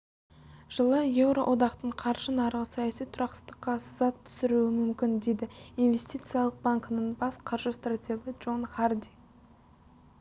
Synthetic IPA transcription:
ʒ̥əlˠəje̞vɾo̞ʔo̞d̪ɑqt̪əɴqʰɑɾʒənɑɾʁəsɑjɑsijt̪ʰʊɾɑqsə̥st̪əqːɑsəzɑt̪ʰːʏ̥sɪɾuɪmʏmkʲɪnd̪e̞jd̪ɪinve̞st̪ʲijt̪sɨjalˠəq̚baŋkənəɴbɑsqʰɑɾʒəst̪rat̪ʲʰe̞ɡʲiʒo̞nχard̪ʲi

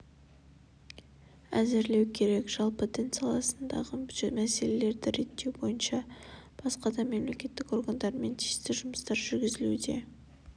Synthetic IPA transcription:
æzɪɾle̞wkʲʰe̞ɾe̞kʒ̥ɑlˠpot̪ʰent̪sialˠɑsənd̪ɑ̰ʁəmæse̞le̞le̞ɾd̪ɪɾe̞t̪ːe̞wbo̞jənʃɑb̥ɑsqɑd̪ɑme̞mle̞kʲe̞t̪ːɪko̞rɡand̪ɑɾme̞nt̪ʰeʃt̪ɪʒʊməst̪ɑɾʒʏɾɡʲɪzɪlud̪e̞̰

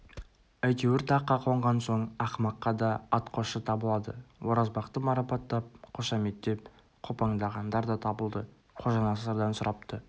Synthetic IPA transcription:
æjt̪e̞wɪɾt̪ʰɑqːɑqʰoɴʁɑnso̞ɴɑqmɑqːɑd̪ɑːt̪qʰo̞ʃət̪ʰɑbəlˠɑd̪əwoɾɑzbɑqt̪əmɑɾɑpɑt̪ːɑp̚qʰo̞ʃɑmet̪ːe̞p̚ | qʰo̞pɑŋd̪ɑʁɑnd̪ɑɾd̪ɑt̪ʰɑbəlˠd̪ə | qʰoʒɑnɑsɑɾd̪ɑnsʊɾɑp̚t̪ə

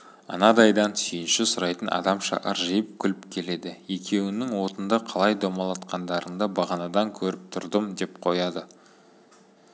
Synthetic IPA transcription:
ɑ̰nɑd̪ɑjd̪ɑnsʏjɪnʃɪsʊɾɑjt̪ənʔɑ̰d̪ɑmʃɑ̰qə̰ɾʒəjəp̚kʲʰʏlɪpkʲʰe̞le̞d̪ɪe̞kʲʰe̞wɪnɪŋwo̞t̪ənd̪ɑqʰɑlˠɑjd̪omɑlˠɑt̪qɑnd̪ɑɾənd̪ɑbɑʁɑnɑd̪ɑŋkʲʰɵɾɪp̚t̪ʰʊɾd̪əmd̪e̞pqʰo̞jɑd̪ə

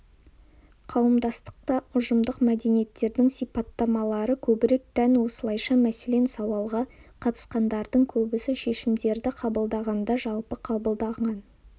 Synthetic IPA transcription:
qʰɑwəmd̪ɑst̪ə̥q̚t̪ɑʊʒəmd̪əqmæd̪e̞nije̞t̪ːe̞ɾd̪ɪŋsijpɑt̪ːɑmɑlˠɑɾəkʲʰɵbɪɾe̞k̚t̪ʰænwo̞səlˠɑjʃɑmæsele̞nsɑwɑlˠʁɑqʰɑt̪ə̥sqɑnd̪ɑɾd̪əɴkʲʰɵbɪsɪʃe̞ʃɪmd̪e̞ɾd̪ɪqʰɑbəlˠd̪ɑʁɑnd̪ɑʒɑlˠpəqʰɑbəlˠd̪ɑɴɑn

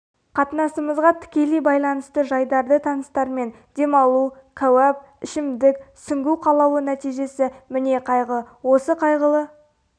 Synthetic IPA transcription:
qʰɑt̪ənɑsəməzʁɑt̪ʰɪ̥kʲe̞lejbɑjlˠɑnəst̪əʒɑjd̪ɑɾd̪ət̪ʰɑnəst̪ɑɾme̞n | d̪̥e̞mɑlˠukʲʰæwæp̚ | ɪʃɪmd̪ɪksʏŋɡʲuwqʰɑlˠɑwənæt̪ijʒe̞sɪmɪne̞qʰɑjʁə | wo̞səqʰɑjʁəlˠə

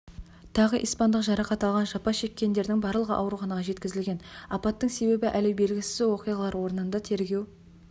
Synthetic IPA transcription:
t̪ʰɑʁəʔijspɑnd̪əqʒɑɾɑqɑt̪ɑlˠʁɑnʒɑpɑʃe̞kʲːe̞nd̪e̞ɾd̪ɪŋbɑɾlˠəʁə̰ʔɑwɾuχɑnɑʁɑʒe̞t̪kʲɪzɪlɡʲe̞nɑpɑt̪ːəŋse̞be̞bɪʔælewbe̞lɡʲɪsɪɪwo̞qijʁɑlˠɑɾwo̞ɾənənd̪ɑt̪ʰe̞ɾɡʲe̞w

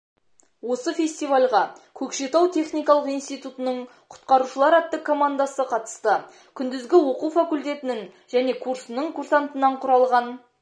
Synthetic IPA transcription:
wo̞səfʲe̞sʲt̪ijvalʲʁɑkʲʰɵkʃe̞t̪ɑwt̪ʰe̞χnijkɑlˠəqijnst̪ijt̪ut̪ənəɴ | qʰʊ̥t̪qɑɾuʃəlˠɑɾæt̪ːɪkʰːo̞mand̪asəqʰɑt̪ə̥st̪ə | kʲʰʏnd̪ɪzɡʲɪwoqufakulʲt̪e̞t̪ɪnɪŋ | ʒæne̞kʰuɾsənəɴkʰursant̪ənɑɴqʰʊɾɑlˠʁɑn

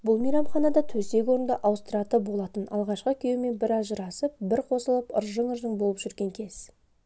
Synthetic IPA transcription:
bʊlˠmijɾɑmχɑnɑd̪ɑt̪ʰɵse̞kʲwo̞ɾənd̪ɑʔɑwst̪rɑt̪əbo̞lˠɑt̪ənɑ̰lˠʁɑʃqəkʲʰe̞wme̞nbɪɾɑzʒəɾɑsəp̚bɪɾqʰo̞səlˠəpə̰ɾʒəɴəɾəɴbo̞lˠəpʒ̥ʏɾɡʲe̞ŋkʲʰe̞z̥

